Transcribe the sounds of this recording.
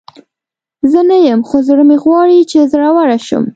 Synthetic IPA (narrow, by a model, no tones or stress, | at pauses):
zənajəmxozəɽəmeɣwɑɽit͡ʃezəɾawaɽaʃṵm